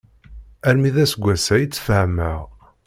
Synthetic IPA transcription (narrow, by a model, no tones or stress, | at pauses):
æɾmiðæsəɡʷːæsæjət͡sːfəhmæʁ